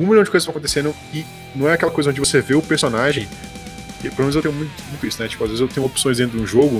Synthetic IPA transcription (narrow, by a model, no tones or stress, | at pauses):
ũmilʲjɐ̃d͡ʒɪkozsɐ̃kõt̪esẽnɐ̃ | ɪ | nɐ̃w̃ɛakɛlɐkojzɐõd͡ʒɪvoseveʊpeɾsonaʒẽj̃ | kepolomenzewt̪ẽɲʊ̃mũj̃t̪mũj̃t̪ʊisʊnɛt͡ʃi̥pʊazvezewt̪ẽɲʊ̃opsõj̃zdẽt̪ɾʊd͡ʒ̪ũʒoɡʊ